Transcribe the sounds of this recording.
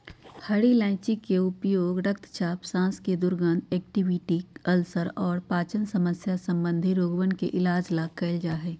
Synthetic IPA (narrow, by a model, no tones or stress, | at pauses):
hɐɽilɛ̃ːt͡ʃikeʊpjoːɡɾəkt̪ʰt͡ʃʰaːpsãːsked̪ʊɾɡə̃nd̪eːk̚ʈiʋɪʈiəlsəɾɔːɾpaːt͡ʃənsɐməsjasɐ̃mbə̃nd̪ʱiɾoːɡʋənkeʔɪlaːd͡ʒlaːkːɐɪld͡ʒaːɦɛː